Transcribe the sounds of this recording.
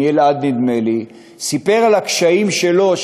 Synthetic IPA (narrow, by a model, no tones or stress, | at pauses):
elad̪nid̪me̞li | sipe̞ʁalakʃaimʃe̞lo̞ʃ